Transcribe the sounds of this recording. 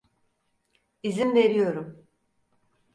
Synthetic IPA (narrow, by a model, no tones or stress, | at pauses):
izinve̞ɾijo̞ɾum